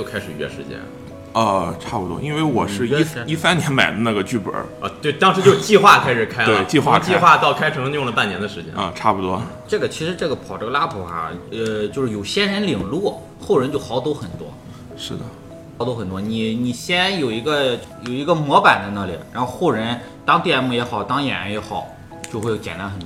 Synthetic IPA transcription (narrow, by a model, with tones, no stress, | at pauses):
jo˥˩ʊkʰa˥ɪʂɻ̩˨˩ɥɛ̰˥˩ʂɻ̩˧˥t͡ɕjɛ̰˥n | ə˧ʈ͡ʂʰa˥˩pu˨˩t̪wɔ̰˥ʔi˥nwe˥˩ɪwɔ˨˩ʂɻ̩˥˧˥i˥˩sa˥njɛ˧˥nma˨˩ɪd̪ə˦na˥˩ɡə˩t͡ɕy˥˩pə̰˞˨˩˦ə̰˧t̪we˥˩ɪt̪ɑ˥ŋʂɻ̩˧˥t͡ɕjo˥˧ʊ˧t͡ɕi˥˧xwa˥˩kʰa˥ɪʂɻ̩˨˩kʰa˥ɪwe˥˩˧ɪt͡ɕi˥˧xwa˥˧˩kʰt͡ɕxwa˥˧t̪ɑ˥˩ʊkʰa˥ɪʈ͡ʂʰɤ˧˥ŋ˧˥jʊ˥˩ŋlə˩pa˥˩njɛ˧˥nd̪ə˧ʂɻ̩˧˥t͡ɕjɛ̰˥nə̰˧ʈ͡ʂʰa˥˩pu˨˩t̪wɔ˥ʈ͡ʂɤ˥˩ɡə˩t͡ɕʰi˧˥ʂɻ̩˧˥ʈ͡ʂɤ˥˩ɡə˩pʰɑ˨˩ʊʈ͡ʂɤ˥˩ɡə˧la˥pʰu˨˩ɐ̰˧˩ə˧t͡ɕjo˥˧ʊʂɻ̩˥˩jo˨˩ʊɕjɛ˥nɻə˧˥nli˨˩ŋlwu˥˩ | xo˥˩ʊɻə˧˥nt͡ɕjo˥˩ʊxɑ˧˥ʊt̪o˥ʊxə˨˩nt̪wɔ̰˥ | ʂɻ̩˥˩d̪ə̰˩˧˥ | t̪o˥ʊxə˨˩nt̪wɔ˥ni˨˧˩ni˨˩ɕjɛ˥njo˨˩ʊi˧˥ɡə˧ | jo˨˩ʊi˧˥ɡə˧mwɔ˧˥pa˨˩nt͡sa˥˧ɪna˥˩lḭ˨˩ɻa˧˥nxo˥˧xo˥˩ʊɻə˧˥n | t̪ɑ˥ŋt̪jɛ˥˧˥nmu˥˩jɛ˧˥xɑ˨˩ʊt̪ɑ˥ŋjɛ̰˨˩ɻa̰˧˥njɛ˧˥xɑ˨˩˦ʊ | t͡ɕjo˥˧xwe˥˩t͡ɕjɛ̰˨˩nt̪a˥nxə˨˩nt̪